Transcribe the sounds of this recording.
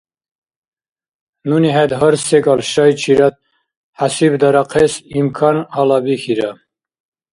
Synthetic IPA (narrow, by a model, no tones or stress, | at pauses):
nuniɦɛd̪ɦəɾsseɡɑlʃɑjt͡ʃʰiɾat̪̚ | ħasibd̪ɑɾaqʰesimkʰɑnalabikʰiɾa